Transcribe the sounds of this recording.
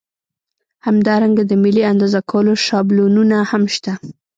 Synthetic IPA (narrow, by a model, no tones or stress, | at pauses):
hamd̪ɑɾaŋɡad̪əmɪliand̪ɑzakʰawəloʃɑblununahamʃt̪a